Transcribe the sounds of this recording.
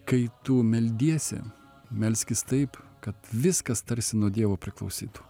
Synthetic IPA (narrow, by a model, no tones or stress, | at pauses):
kɐɪt̪ʊmʲɛlʲd̪ʲiɛsʲɛ̰ | mʲɛlʲsʲkʲɪst̪ɐɪpkɐt̪ʋʲɪskɐst̪ɐɾʲsʲɪnuɔd̪ʲiɛʋoːpʲɾʲɪklˠɐʊsʲiːt̪u̥